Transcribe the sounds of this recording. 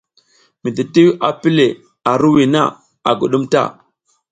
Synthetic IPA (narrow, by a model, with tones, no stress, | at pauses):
mi˨di˨ti˦wa˨pi˦le˨ | a˨ɾu˦wi˨na̰˦˨ | a˨ɡu˨ɗu˦mta̰˦˨